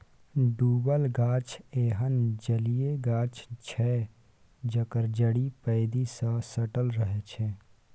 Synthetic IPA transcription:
ɖuːbəlɡaːt͡ʃeːɦənd͡ʒəlijeɡaːt͡ʃt͡ʃʰɛː | d͡ʒəkəɾd͡ʒəɽipəɪd̪isə̃səʈəlɾəɦet͡ʃʰe

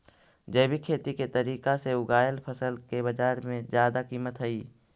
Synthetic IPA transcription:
d͡ʒəːbikʰeːt̪iket̪ɐɾiːkaseʊɡaːjəlpʰəsəlkebɐd͡ʒaːɾmẽzjaːd̪akiːmət̪ɦɐiː

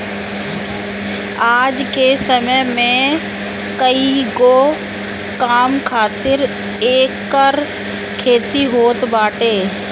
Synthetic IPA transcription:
aːd͡ʒkesəməjmẽ | kəiɡo | kaːmkʰaːt̪ɪɾ | eːkːəɾ | kʰeːt̪iɦoːt̪baːʈeː

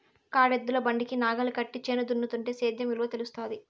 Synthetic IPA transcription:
kaːɽed̪ːulɐbɐɳɖikinaːɡɐlɐkɐʈːit͡ʃːeːnɐd̪unːut̪uɳʈe̞ːseːd̪jɐmiluʋɐt̪elust̪oːnd̪i

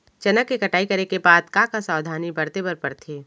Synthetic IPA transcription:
t͡ʃɐnəkːekɐʈaːikɐɾekebaːd̪kãkasaːd̪ʱaːnibɐɾt̪ebɐɾpɐɾt̪ʰeː

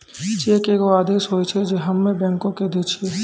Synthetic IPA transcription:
t͡ʃeːkeɡoaːd̪eːʃɦoːet͡ʃʰɛd͡ʒeɦɐmːẽbɛ̃ːŋkõked̪et͡ʃʰe

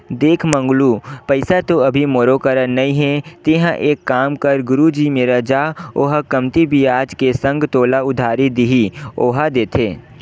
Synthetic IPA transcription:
d̪eːkʰmə̃ŋɡlupɐɪsat̪oɐbʱimoːɾokəɾənɐĩɦɛ̃t̪eɦə̃ʔeːkːaːmkɐɾɡʊɾud͡ʒiːmeːɾad͡ʒaːoːɦakɐmt̪ibʱiaːd͡ʒkesɐ̃ŋɡt̪oːlaʊd̪ʱaːɾid̪iɦioːɦad̪eːt̪ʰeː

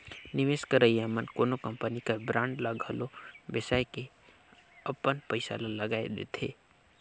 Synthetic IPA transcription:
nɪʋeːskəɾəjamənkoːnokəmpənikabɾãːɳɖlaɡʱəlobəsaːjke | ɐpːənpəɪsa̰laləɡaːḛd̪ḛːt̪ʰḛː

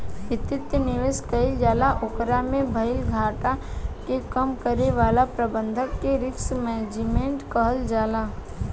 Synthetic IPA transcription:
ʋɪt̪ɪt̪jənɪʋɪskəɪld͡ʒaːlaʔokɾamẽbʱɐɪlɡʱaːʈakekəmkəɾeʋaːlapɾəbə̃nd̪ʱəkːeɾɪksmɛːd͡ʒimẽːɳʈkəɦəld͡ʒaːlaː

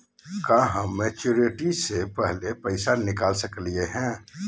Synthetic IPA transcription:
kaɦə̃met͡ʃoɾiʈisepɛɦlepəɪsanɪkaːlsəklieɦɛ̃ː

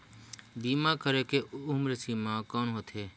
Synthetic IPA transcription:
b̪iːmãːkəɾeːkeːʊmɾəsiːmãːkoːɳɦot̪ʰeː

